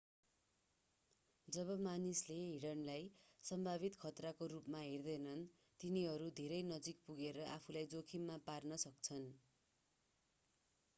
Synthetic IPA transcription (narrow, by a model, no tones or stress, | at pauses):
d͡zʌβʌmanisleɦiɽʌnlajsʌmbʱaβit̪kʰʌt̪rakorupmaɦerd̪ʌjnʌn | t̪iniɦʌɾud̪ʱeɾʌjnʌd͡zik̚puɡeɾʌʔapʰulajd͡zokʰimːaparnʌsʌkt͡sʰʌn